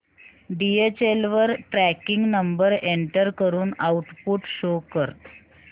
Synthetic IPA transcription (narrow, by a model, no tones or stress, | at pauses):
ɖiet͡ɕelʋəɾʈɾækiŋɡnəmbəɾeɳʈəɾkəɾuːnauʈpuʈɕokəɾt̪